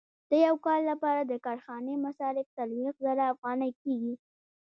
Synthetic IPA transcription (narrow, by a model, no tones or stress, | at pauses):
d̪̥əjawkɑlːapɑɾad̪əkɑɾxɑnemasɑɾɪft̪alwexzaɾaːfɣɑnajkeɡi